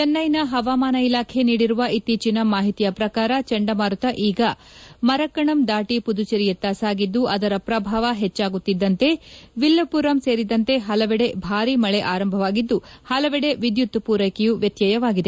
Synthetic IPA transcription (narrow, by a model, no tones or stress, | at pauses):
t͡ʃɐnːɐjnɐɦɐʋaːmaːnɐilaːkʰe̞niːɽiɾuʋɐʔit̪ːiːt͡ʃinɐmaːɦit̪ijɐpɾɐkaːɾɐt͡ʃɐɳɖɐmaːɾut̪ɐʔiːɡɐ | mɐɾɐkːɐɳɐmd̪aːʈipud̪ut͡ʃɐɾijɐt̪ːaːsaːɡid̪ːuʔɐd̪ɐɾɐpɾɐbʱaːʋɐɦɛt͡ʃːaːɡut̪ːid̪ːɐnt̪e̞ʋilːɐpuːɾɐmse̞ːɾid̪ɐnt̪e̞ɦɐlɐʋɛɽe̞bʱaːɾimɐɭeʔaːɾɐmbʱɐʋaːɡid̪ːuhɐlɐʋɛɽe̞ʋid̪jut̪ːpuːɾɐjkejuʋjɐt̪jɐjɐʋaːɡid̪e